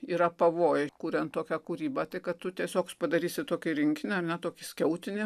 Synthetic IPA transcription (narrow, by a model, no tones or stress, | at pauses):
iːɾɐpɐʋoːjkuːɾʲɛnt̪̚t̪oːkʲækuɾʲiːbɑːt̪ɐɪkɐt̪t̪ʊt̪ʲiɛsʲoːkspɐd̪ɐɾʲiːsʲɪt̪oːkʲɪɾʲɪŋʲkʲɪnʲɪɐrnʲɛt̪oːkʲɪsʲkʲɛʊt̪ʲɪnʲɪ